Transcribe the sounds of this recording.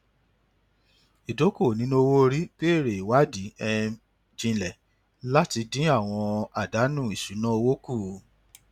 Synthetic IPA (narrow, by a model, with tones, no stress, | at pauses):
i˨do˨˦ko˦˨nĩ˨˦nũ˦o˧wo˦˧ɾi˦ke˦˨ɾe˨i˨wa˨˦di˨˦ɛ˧ | d͡ʒĩ˧lɛ˨ | la˦ti˧dĩ˦a˦˨w̃ɔ̃˧a˨da˨˦nũ˦˨i˨ʃu˨˦nã˦o˧wo˦ku˦˨